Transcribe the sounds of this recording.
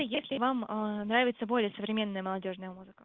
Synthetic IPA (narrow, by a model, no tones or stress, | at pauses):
jesʲlʲɪvamənɾavʲɪt̪səbo̞lʲɪjəsəvɾʲɪmʲe̞nːəjəməlˠɐdʲo̞ʐnəjəmuzɨkə